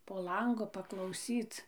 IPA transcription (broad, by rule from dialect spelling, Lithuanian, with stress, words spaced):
poː ˈlˠɐŋɡʊ pɐklˠɐʊˈsʲiːt͡s